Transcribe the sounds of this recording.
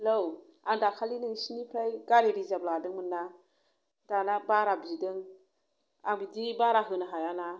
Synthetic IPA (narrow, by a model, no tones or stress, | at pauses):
low | andakʰalinɯŋsinipʰajɡaɾiɾizabladɯŋmɯnːa | danabaɾabidɯŋ | aŋbidibaɾaɦɯnaɦajana